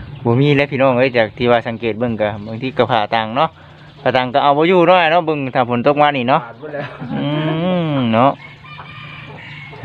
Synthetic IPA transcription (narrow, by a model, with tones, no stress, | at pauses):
bɔː˧miː˧˥˨lɛ˧˥pʰiː˧˨nɔː˧˩ŋʔɤː˧˥˨t͡ɕaː˨˩k̚t̪ʰiː˧˨waː˧˩sa˨˧˦ŋkeː˨˩t̪̚bɤ˧˨ŋka˧˩ba˧˨ŋt̪ʰiː˧˨ka˧˩pʰaː˧˩t̪aː˧˩ŋnɔ˧˥ʔ | pʰaː˧˩t̪aː˧˩˨ŋka˧˩ʔa˧˩wbɔː˧˦juː˧nɔ˧˥˩nɔ˧˥bɤ˧ŋt̪ʰaː˧˩pʰo˨˦nt̪o˧k̚maː˧˨niː˧˨nɔ˧˥ʔʔɯː˧nɔ˧˥ʔ